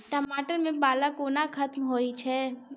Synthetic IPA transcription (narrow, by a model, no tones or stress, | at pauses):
ʈəmaːʈəɾmẽbaːləkoːnakʰɐt̪mɦoːit͡ʃʰɛː